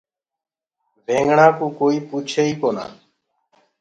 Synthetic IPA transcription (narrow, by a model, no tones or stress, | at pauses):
ʋʱẽːŋɡɳãːkũːkoːiːpuːt͡ʃʰeːiːkoːnã̰ː